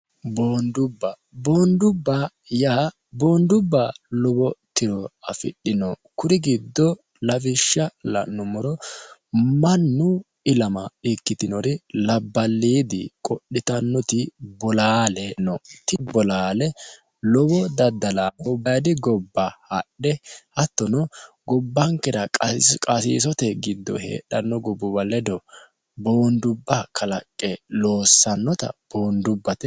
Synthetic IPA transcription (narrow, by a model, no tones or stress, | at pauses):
boːnd̪ʊbːɐ | boːnd̪ʊbːa | jaː | boːnd̪ʊbːalɔbɔt̪ɪɾɔɐfɪ̰ɗːɪnɔkʊɾɪɡɪd̪ːɔ | lɐfɪʃːɐlɐ̰nːʊmɔɾɔ | mɐnːʊ | ɪlɐmɐɪkːɪt̪ɪnɔɾɪlɐbːɐlːiːd̪ɪkʼɔɗːɪt̪ɐnːɔt̪ɪbɔlaːlɛnɔt̪ɪbɔlaːlɛ | lɔbɔd̪ɐd̪ːɐlaɔbɐjd̪ɪɡɔbːɐhɐɗɛhɐt̪ːɔnɔ | ɡɔbːɐŋkɛɾɐkʼɐsḭːsɔt̪ɛɡɪd̪ːɔ̰hḛːɗɐnːɔɡɔbɔbɐlːɛd̪ɔ | bo̞ːnd̪ʊbːakʰɐlɐkʼːɛlo̞ːsːɐnːɔt̪ɐ̰b̥o̞ːnd̪ʊbːɐt̪ɛ